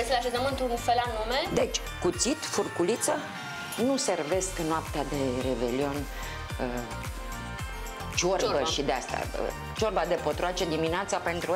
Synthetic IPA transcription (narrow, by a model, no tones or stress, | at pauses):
esilaʃezəmɨnt̪unfelanumed̪e̞t͡ʃʲ | kut̪sit̪furkulit̪sə | nuse̞rve̞sknoapt̪ead̪e̞ɾe̞be̞lio̞nʲ | ə | t͡ʃorbəʃid̪east̪a̰ | t͡ʃo̞rbad̪e̞po̞t̪ɾuat͡ʃe̞d̪imineat̪sape̞nt̪ɾu